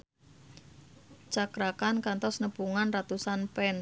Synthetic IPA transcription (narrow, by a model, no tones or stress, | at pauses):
t͡ʃakɾakankant̪ɔsnəb̥uŋanrat̪usanpɛn